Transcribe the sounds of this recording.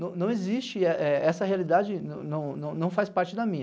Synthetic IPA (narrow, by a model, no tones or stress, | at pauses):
nɐ̃w̃nɐ̃w̃ezist͡ʃɪɛʔɛɛsɐhealid̪ad͡ʒɪnɐ̰̃w̃nɐ̃w̃nɐ̃w̃nɐ̃w̃fajspaɾt͡ʃɪd̪ɐmĩɲ